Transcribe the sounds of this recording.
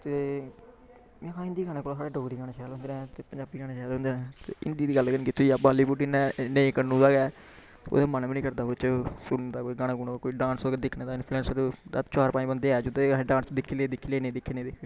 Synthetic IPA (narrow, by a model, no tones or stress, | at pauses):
t̪eː | mẽːɦãːɪ̃nd̪iːɡaːnẽːkoːlaːsaːɽeːɖoːɡɾiːɡaːneːʃɛːlɦʊnd̪eːnɛ̃ːt̪eːpəɲd͡ʒaːbiːɡaːneːʃɛːlɦʊ̃nd̪eːnɛ̃ːt̪eːʔɪ̰nd̪iːd̪iːɡəlɡənːkɪt̪ʰːoiːabaːliːpuʈiːnɛ̃ːneĩːkənũːd̪aːɡɛː | o̰ːd̪eːmənbinĩːkəɾd̪aːot͡ʃsʊned̪aːkoːiɡaːɽãːɡuːnãkoːiːɖãːnsd̪ɪkʰneːd̪aːɪnpʰluɛ̃ːnsəɾd̪at͡ʃaːɾpaːĩːbənd̪eːɛːd͡ʒod̪eɖãːnsd̪ɪkʰːiːleːd̪ɪkʰːiːleːnẽːd̪ɪkʰːeːnẽːd̪ɪkʰe